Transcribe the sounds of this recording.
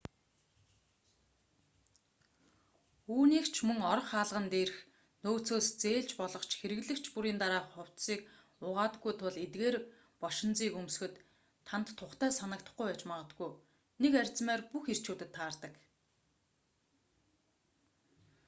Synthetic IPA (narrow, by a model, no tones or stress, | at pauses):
uːniːkt͡ɕʰmɵŋɔɾɞ̆χaːɮʁə̆nt̪eːr̆x | noːt͡soːst͡seːɮt͡ɕpɔɮɞ̆χt͡ɕxeɾɘ̆ɣɮɘ̆kt͡ɕʰpuɾiːnt̪aɾaːχʊw̥t̪siːk | ʊʁaːt̪ɡujt̪ʰʊɮet̪̚ɡeːr | pɔʃɪ̆nt͡siːkums̆xɘ̆t̪ʰː | ant̪ʰːʊχt̪æːsanə̆k̚t̪ə̆χɡujpæːt͡ɕmaʁə̆t̪ɡuj | nekærʲt͡smæːrpuxer̥t͡ɕuːt̪ɘ̆t̪ʰːaːrt̪ə̆k